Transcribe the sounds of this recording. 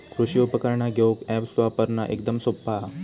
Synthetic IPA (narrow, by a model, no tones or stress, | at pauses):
kʰɾuɕiopəkaɾɳaɡʱeokɛpsʋapəɾnaʔekd̪əmsopːa